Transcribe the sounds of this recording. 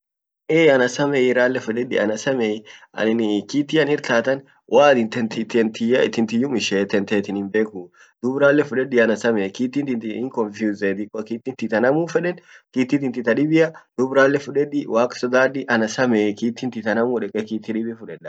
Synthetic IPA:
ʔɛɐnɐsɐmɛɪɾaːlːɛfʊᶑɛᶑɪ̰ɐnɐsɐmɛɐ̰ɪnkiːt̪ːɪɐnɪɾt̪aːt̪ɐn | wʔaːd̪ɪnt̪ɛnt̪ɪt̪ɛnt̪ɪjɐɪt̪ɪnt̪ɪjʊmɪʃeːt̪ɛnt̪eːt̪ɪnɪmbeːkʊ | d̪̥ʊbɾaːlːɛfʊᶑɛᶑɪɐnɐsɐmɛkiːt̪ːɪnt̪ɪnt̪ɪɪŋkɔnfjuzet̪ɪkʼɔkiːt̪ːɪnt̪ɪt̪ɐnɐmuːfɛᶑɛnkiːt̪ːɪt̪ɪnt̪ɪt̪ɐɗɪbɪjɐd̪̥ʊbɾaːlːɛfʊᶑɛᶑɪwaːkʼsɔd̪aːdɪʔɐnɐsɐmekiːt̪ːɪnt̪ɪt̪ɐnɐmuːᶑɛkʼɛkiːt̪ːɪᶑɪbɪfʊᶑɛᶑɐ

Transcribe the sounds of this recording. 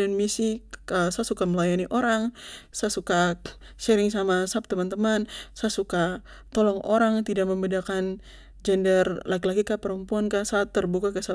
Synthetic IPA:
ɛnmisiəsasukaməlajaniʔoɾaŋsasuka | ʃɛɾɪŋsamasap̚t̪əmant̪əmansasuka | t̪ɔlɔŋʔoɾaŋt̪idak̚məmbɛdakan | d͡ʒɛndɛrlakilaɡikapəɾəmpuankasat̪ːərbukakəsa

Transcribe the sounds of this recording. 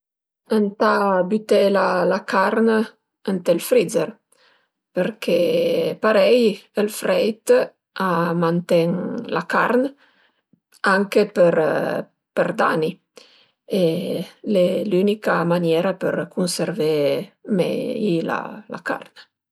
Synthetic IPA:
ənt̪abyt̪elalakaɾn | ənt̪elfɾidzəɾ | pəɾkʰepaɾɛjəlfɾɛjt̪ | amant̪ɛŋla̰ka̰rn | aŋkepəɾ | pərd̪a̰ni | elelynikamanjɛɾapəɾkunseɾvemɛ̰jla̰la̰ka̰rn

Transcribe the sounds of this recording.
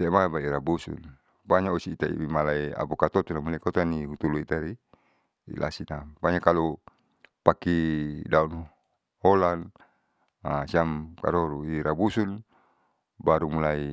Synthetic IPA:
semabaiɾabusṵn | baɲaosiːt̪aḭmalaia̰pukat̪ot̪unamulakot̪aniɦut̪uluit̪aɾi | ḭlʔa̰sinabaɲakalu | pakidaun | holan | asiamka̰ɾoɾuiɾabusun | baɾumulai

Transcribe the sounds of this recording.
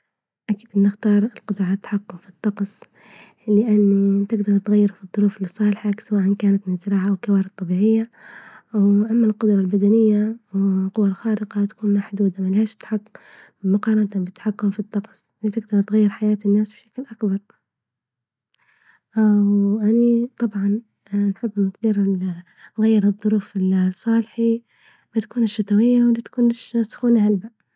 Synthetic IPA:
ʔakiːd̪ʔɪnːɪxt̪ɑːɾˤɪlqʊd̪ɾˤɑt̪ːḁħakːʊmfit̪ˤːɑqsˤ | lɪʔanːit̪ɪɡd̪ɑɾˤt̪ɣajːɪɾfiðˤːʊɾuːfɪlisˤːɑːlħaksawaːʔankaːnat̪mɪnzɪɾˤɑːʕaʔwkːawaːɾɪd̪̚t̪ˤːɑbiːʕɪjːa | wʔamːalqʊd̪ɾˤɑlbad̪anɪjːawqʊwːalxaːlɪqɑt̪ḁkuːnmaħd̪uːd̪amalhaːʃt̪ħakː | mʊqɑːɾˤɑnt̪abɪt̪ħakːʊmfit̪ˤːɑqsˤlit̪ɪɡ̚d̪ɑɾˤt̪ɣajːɪɾħajaːt̪ɪnːaːsbʃḁklʔakbɑɾˤ | wʔanit̪ˤɑbʕɑn | nħɪbːʔnʊt̪d̪iːɾɪ | ɣajːɪɾɨðˤːʊɾuːfɪlsˤːɑːlħi | bɪt̪ḁkuːnɪʃːat̪ˤawɪjːawɪlit̪ḁkuːnɪʃsʊ̥xuːnahalba

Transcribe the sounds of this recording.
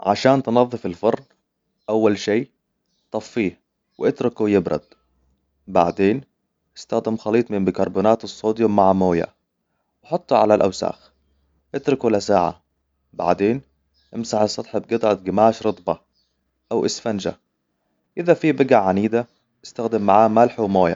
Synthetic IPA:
ʕa̰ʃaːnt̪nɑðˤːɨfɪlfɑɾˤn | ʔawːalʃeː | t̪ˤɑfːiːh | wɪʔɪt̪ɾʊkujɪbɾɑ̰d̪ | ba̰ʕd̪eːn | ʔɪst̪axd̪ɪmxɑliːt̪ˤmɪmbɪkɑɾˤbuːnaːt̪ɨsˤːoːd̪jumaʕamoːja̰ | wɑħɑt̪ˤːuʕalalʔa̰wsa̰ːx | ʔɪt̪ɾʊklasaːʕa̰ | ba̰ʕd̪eːn | ʔɪmsaħsˤɑt̪ˤħɪb̚ɡɨt̪ˤʕɑt̪̚ɡɪmaːʃɾɨt̪ˤbɑ | ʔawʔɪsfand͡ʒa̰ | ʔɪðafibɪɡaʕaniːd̪a | ʔɪst̪axd̪ɪmːaʕaːmalħawmoːja̰

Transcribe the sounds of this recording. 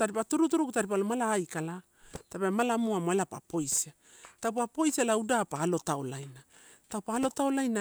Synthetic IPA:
taɾipatuɾutuɾukutaɾip̬alomalaːjkala | tapamalamuamoelapa̰po̞jsia | tawpapo̞jsielaudapaːlo̞taolajna | tawpalo̞taolajna

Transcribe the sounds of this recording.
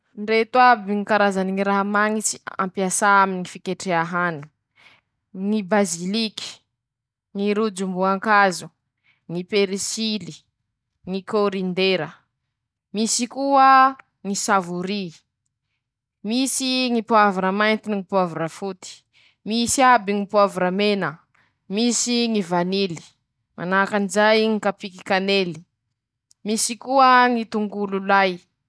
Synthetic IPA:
ɳɖ͡ʐet̪wabiŋikaɾazaniŋiɾaɦamaŋit͡si̥a̰mpjasaaminiŋifikeʈ͡ʂeaɦanu̥ | ŋibaziliki̥ | ŋiɾud͡ʒumbuaŋkazu | ŋipeɾisili | ŋikoɾind̪eɾə | misikuə | ŋisavuɾi | misiŋipwavuɾəmajnt̪iniŋipwavuɾəfut̪i̥ | misiabiŋipwavɾəmenə | misiŋivanili̥ | ma̰nakanizajŋikapiki̥kaneli̥ | misikuəŋit̪uŋɡululaj

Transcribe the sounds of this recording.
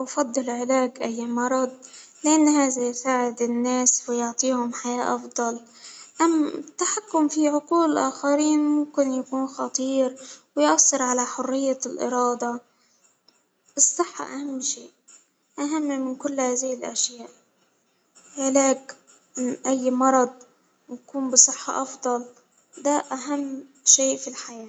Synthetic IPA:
ʔfɑd̪ˤːɨlʕɪlaːɡʔajːmɑɾˤɑd̪̚ˤlɪʔanːhaːðajsaːʕɪd̪ɪnːaːswɪjʊʕt̪ˤiːhʊmħajaːʔɑfd̪ˤɑl | ʔamːɪt̪ːaħakːʊmfiʕʊquːlɪlʔaːxaɾiːnmʊmkɪnjakuːnxɑt̪ˤiːɾwɪjʔɑsˤːɨɾʕalaħʊrːɪjːalʔɪ̰ɾɑːd̪ˤɑ | ʔɨsˤːɨħːɑ̰ʔahamːʃeːʔ | ʔaɦamːmɪnkʊlːhaːðihɪlʔa̰ʃjaːʔ | ʕlaːk | ʔɪnʔajːmɑɾˤɑd̪̚ˤ | wjakuːnbɪsˤɨħːɑ̰ʔɑfd̪ˤɑl | d̪aʔaɦamː | ʃeːʔfilħajaː

